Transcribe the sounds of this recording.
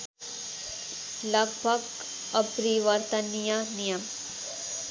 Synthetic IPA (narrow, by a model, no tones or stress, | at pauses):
lɐɡbʱɐɡ | ɐpɾiʋɐɾt̪ɐnijanijɐm